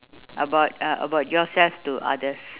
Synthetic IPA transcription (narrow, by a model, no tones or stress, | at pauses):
ʔəbaʊt̚ʔə̰baʊt̚jɔsɛlftuʔa̰dəs